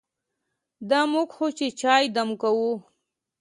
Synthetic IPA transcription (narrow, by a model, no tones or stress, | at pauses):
d̪amuɡxot͡ʃet͡ʃɑːjd̪amkawu